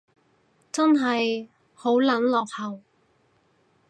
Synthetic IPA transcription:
t͡sɐ˥nɦɐ˨j | ho˨˥wlɐ˨˥nlɔː˨k̚hɐ˨˩w

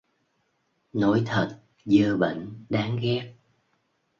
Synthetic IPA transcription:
no˨˦jt̪ʰə˨˩t̚ | zəː˧ɓə̰˧˨ŋ̟ɗaː˨˦ŋɣɛ˦˥k̚

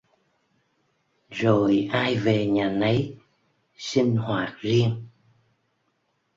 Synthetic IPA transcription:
zo˨˩jʔaː˧jve˨˩ɲaː˨˩nə˨˦j | si˧ŋhwaː˨˩k̚zi˧əŋ

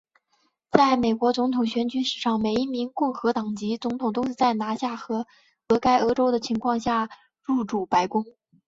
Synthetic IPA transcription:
t͡sa˥˩ɪme˨˩ɪkwɔ˧˥t͡sʊ˧˥ŋt̪ʰʊ˨˩ŋɕɥɛ˧˥nt͡ɕy˧˥ʂɻ̩˨˩ʂɑ˥˩ŋme˨˩ɪi˥˩mi˧˥nkʊ˥˩ŋxɤ˧˥t̪ɑ˨˩ŋt͡ɕi˧˥t͡sʊ˧˥ŋt̪ʰʊ˨˩ŋt̪o˥ʂɻ̩˥˧t͡sa˥˩ɪna˧˥ɕja˥˩xɤ˧˥ | ɤ˧˥ka˥ɪʔɤ˧˥ʈ͡ʂo˥ʊd̪ə˨t͡ɕʰi˧˥ŋkʰwɑ˥˧ŋɕja˥˧ | ɻu˥˩ʈ͡ʂu˨˩pa˧˥ɪkʊ˥ŋ

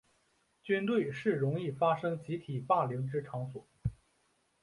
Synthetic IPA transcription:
t͡ɕy˥nt̪we˥˩ɪʂɻ̩˥˩ɻʊ˧˥ŋi˥˩fa˥ʂɤ˥ŋt͡ɕi˧˥t̪ʰi˨˩pa˥˩lji˧˥ŋʈ͡ʂɻ̩˥ʈ͡ʂʰɑ˧˥ŋswɔ˨˩˦

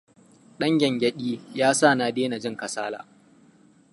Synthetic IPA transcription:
ɗɐ˦ŋɡʲɛ˨ŋɡʲɐ˦ɗʲʼiː˦jaː˦sa˦˨na˨deː˦na˨d͡ʒɪ˦ŋkɐ˨saː˦la̰ː˨

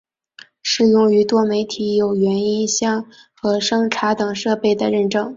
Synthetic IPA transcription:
ʂɻ̩˥˨˩jʊ˥˩ŋy˧˥t̪wɔ˥me˧˥ɪt̪ʰi˧˥jo˨˩ʊɥɛ˧˥ni˥nɕjɑ˥˩ŋ | xɤ˧˥ʂɤ˥ŋʈ͡ʂʰa˧˥t̪ɤ˨˩ŋʂɤ˥˧pe˥˩ɪd̪ə˩ɻə˥˩nʈ͡ʂɤ˥˩ŋ

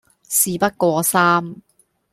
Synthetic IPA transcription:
siː˨˩pɐ˥t̚kʷɔː˧saː˥m

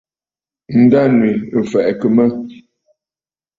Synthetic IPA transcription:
n̩˨da˦nwi˨fɛ˨ʔkə˨mə˦

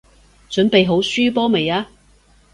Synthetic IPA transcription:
t͡ʃɵ˨˥npe˨jɦo˨˥wsyː˥pɔː˥me˨jaː˥

